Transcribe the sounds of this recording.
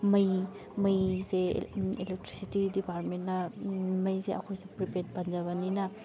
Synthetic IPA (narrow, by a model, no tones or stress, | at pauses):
mɐj | mɐjsḛelek̚tɾisitidipaɾtment̚nɐmɐjseʔɐ̰kʰojsepɾipet̚pɐnd͡ʒɐβɐninɐ